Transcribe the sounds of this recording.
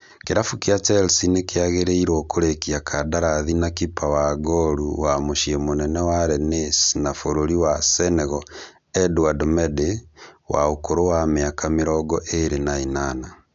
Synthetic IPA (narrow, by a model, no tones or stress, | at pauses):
keɾafukeat͡ʃɛlsinekeaɣeɾeiɾwɔkoɾekiakʰadaɾaðinakipawaɡɔɾuwamoʃiemonɛnɛwaɾɛnesnafoɾoɾiwasɛnɛɣɔ | ɛduadɔmɛdewaokoɾowameakameɾɔɡɔʔeɾenainana